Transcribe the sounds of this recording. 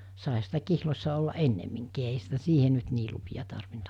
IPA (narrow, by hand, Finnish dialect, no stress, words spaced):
sɑˑehɑ sitæ kihlosʲsɑ olːɑʔ ʔenːemːiŋkiː eiɦæ sitæ siːhe nyt niː lupiɑ tɑrʋint